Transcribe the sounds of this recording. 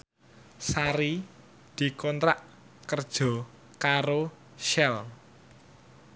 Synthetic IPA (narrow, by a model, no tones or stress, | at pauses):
saɾi | d̪̥i̤kɔnt̪ɾaʔ | kərd̥ʒ̥ɔ̤ | kaɾo | ʃɛl